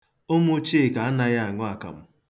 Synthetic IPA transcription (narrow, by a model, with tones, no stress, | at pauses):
ʊ˦mʊ˦t͡ʃi˦˨ka˨a˦na˦ja˦a˨ŋʊ˦a˨ka̰˨m̩˦